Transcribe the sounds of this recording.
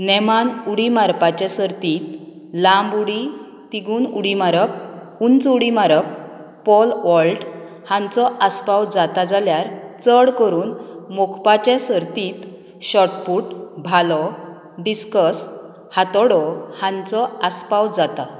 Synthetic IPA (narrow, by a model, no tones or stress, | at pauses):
nɛmanuɽimaɾpat͡ɕesəɾt̪iːt̪ | lambuɽi | t̪iɡuːnuɽimaɾəp̚ | unt͡suɽimaɾəpː | ɔlʋɔlʈ | hãnt͡sɔʔaspawd͡zat̪ad͡zaljaɾt͡səɽkəɾuːnmokʰpat͡ɕẽsəɾt̪iːt̪ | ɕɔʈpuːʈbʱalɔ | ɖiskəs | hat̪ɔɽɔhãnt͡sɔaspawd͡zat̪a